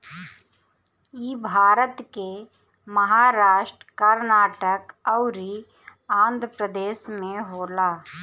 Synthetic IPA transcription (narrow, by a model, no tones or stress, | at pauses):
jiːbʱaːɾət̪ke | mɐɦaːɾaːʃʈɾkəɾnaːʈəkɐʊɾi | ãːnd̪ʱɾəpɾəd̪eːʃmẽɦoːlaː